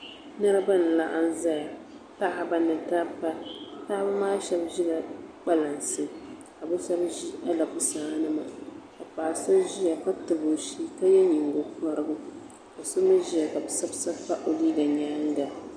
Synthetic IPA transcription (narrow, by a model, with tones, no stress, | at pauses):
nɨ˦ɾɨ˦ba˦nɨ˨la˦ʔa˦n˦za˦ja˨ | pa˦ʔa˨ba˨nɨ˨ta˦pa˦ta˦a˦bɨ˦maː˦ʃɛ˦bʒi˦la˨k͡pa˦la˨nsɨ˨ | ka˨bɨ˦ʃɛ˦bʒi˦ʔa˦la˨pʊ˦saː˦nɨ˦ma̰˨ka˨paː˨sa˦ʒi˦ja˨ka˦tɨ˨bo˨ʃi˦ka˦jɛ˦ɲi˨ŋɡo˨ka˦ɾɨ˦bʊ˦ | a˨so˦mɨ˦ʒi˦ja˨ka˨bɨ˨sa˦bsa˦fa˦ʔo˨liː˦ɡa˨ɲaː˦ŋ˦ɡa˨